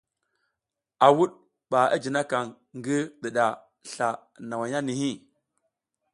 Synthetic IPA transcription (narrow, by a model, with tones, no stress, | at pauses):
a˨wu˦ɗ | ɓa˨a̰˦d͡ʒi˨na˦ka˨ŋ | ŋɡi˦ɗi˨ɗa˨ | ɬa˨na˨wa˨ja˦ni˨hi˦˨